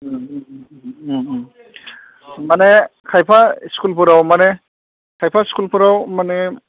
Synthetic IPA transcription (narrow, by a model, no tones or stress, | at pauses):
manekʰajpʰaskulpuɾawmane | kʰajpʰaskulpuɾawmane